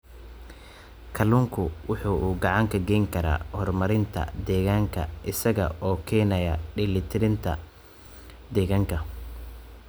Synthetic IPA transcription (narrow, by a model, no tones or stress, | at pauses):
kʰɐluːŋkʰʊwʊħuːʔuːɡɑʕɑŋkʰɐɡɛjŋkʰɐɾa̰ːhɔrmɐɾɪnt̪ʰɐ̰d̪ɛːɣaːŋkʰɐ̰ʔɪsɐɣɐʔɔːkʰɛːnɐjɐɖɪlɪt̪ʰɪɾɪnt̪ʰɐ̰ | d̪ɛːɣaːŋkʰɐ